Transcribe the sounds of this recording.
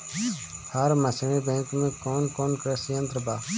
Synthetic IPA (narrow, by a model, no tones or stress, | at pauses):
həɾməsɽ̃ẽbɛ̃ːŋkmẽːkoːnkoːnkəɾɛsijə̃nt̪ɾəbaː